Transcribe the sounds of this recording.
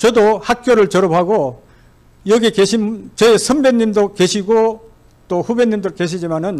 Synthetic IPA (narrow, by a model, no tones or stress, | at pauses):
t͡ɕʌdohak̚k͈joɾɯɭt͡ɕʌɾopʰaɡo | jʌɡekeɕʰimt͡ɕʌesʰʌmbe̞ɲːimdoke̞ɕʰiɡo | t̪͈oɸubenːimdɯɭke̞ɕ̬ʰid͡ʑimanɯn